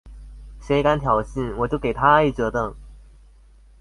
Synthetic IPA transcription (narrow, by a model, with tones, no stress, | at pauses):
ɕe˧˥ɪka˥nt̪ʰjɑ˨˩ʊɕi˥˩nwɔ˨˩t͡ɕjo˥˩ʊke˨˩ɪt̪ʰa˥a˥˧i˨˧˩ʈ͡ʂɤ˧˥t̪ɤ˨˩ŋ